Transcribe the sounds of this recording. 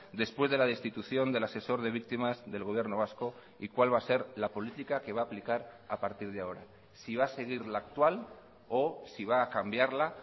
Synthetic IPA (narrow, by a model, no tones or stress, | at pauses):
d̪e̞spwe̞zð̞e̞lað̞e̞st̪it̪uθjo̞nd̪e̞lase̞so̞ɾðe̞βik̚t̪imazðe̞lɣo̞β̞je̞ɾno̞β̞asko̞ | ikwalβase̞ɾlapo̞lit̪ikake̞βaːplikaɾapaɾt̪iɾð̞eao̞ɾa̰ | siβ̞ase̞ɣ̞iɾlaːk̚t̪wal | osiβ̞aːkambjaɾla